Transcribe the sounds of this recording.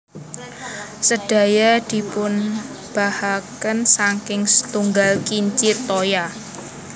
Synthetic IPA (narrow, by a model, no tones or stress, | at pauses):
səd̥a̤jad̪̥i̤pʊn | b̥a̤hakənsaŋkɪŋsə̥t̪uŋɡalkiɲt͡ʃɪt̪ːoja